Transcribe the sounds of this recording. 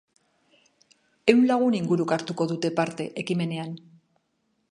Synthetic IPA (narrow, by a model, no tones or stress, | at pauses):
e̞wnlaɣ̞uniŋɡuɾukaɾt̪uko̞ðut̪e̞paɾt̪e̞ʔekime̞ne̞an